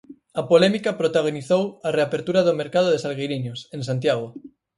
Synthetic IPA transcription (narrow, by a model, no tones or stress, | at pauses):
apolɛmikapɾot̪aɣ̞oniθowareapeɾt̪uɾaðomeɾkað̞oðesalɣejɾiɲoseŋsant̪jaɣ̞o